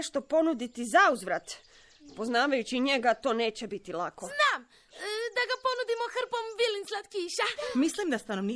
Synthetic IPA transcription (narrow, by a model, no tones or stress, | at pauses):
ʃt̪o̞po̞nud̪it̪izauzʋɾat̪ | po̞znaːʋajut͡ɕiɲe̞ɡat̪o̞ːne̞ːt͡ɕe̞bit̪ilako̞znaːm | d̪aɡapo̞nud̪imoxr̩pomʋilinslat̪kiːʃamislimd̪ast̪anoʋni